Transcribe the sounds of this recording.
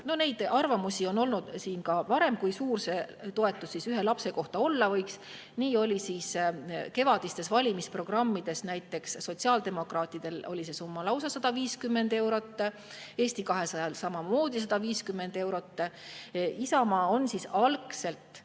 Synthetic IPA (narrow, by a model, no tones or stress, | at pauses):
no̞nejd̪̥ɑrvɑmusʲio̞no̞lnud̪̥siːnkɑvɑɾe̞mkujsuːrse̞t̪o̞e̞t̪ːˑusːisyɦe̞lɑpse̞ko̞ht̪ɑo̞lːɑvɤjks | niːo̞lʲisiːske̞vɑd̪̥ist̪e̞svɑlʲimispro̞ɡ̥rɑmːid̪̥e̞snæjt̪ːˑe̞ksːo̞t̪siɑːld̪̥e̞mo̞krɑːt̪ːˑid̪̥e̞lo̞lʲise̞sumːɑlɑwsɑsɑd̪̥ɑviːskymːe̞nd̪e̞wɾo̞t̪ːˑ | e̞ːsʲt̪ikɑɦe̞sɑjɑlsɑmɑmo̞ːd̪̥isɑd̪̥ɑviːskymːe̞nd̪̥e̞wɾo̞t̪ː | isɑmɑːo̞nsisɑlkse̞lt̪ˑ